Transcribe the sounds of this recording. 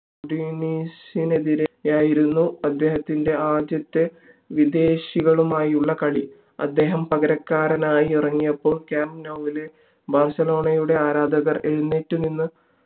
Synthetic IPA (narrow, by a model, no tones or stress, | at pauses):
ɖiniːsine̞ðiɾjaːjiɾunːuɐd̪ːe̞ːɦɐt̪ːinde̞aːd͡ʑjɐt̪ːe | ʋid̪e̞ːɕiɣɐɭumaːjiuɭːɐkɐɭi | ɐ̰d̪ːe̞ːɦɐmpɐɣɐɾɐkːaːɾɐnaːjiirɐŋːijɐpːo̞ːɭkjaːmbnɐwʋile̞ | baːrsɐlo̞ːɳɐjuɽe̞aːɾaːd̪ɐɣɐre̞ɻunːeːʈːuninːɨ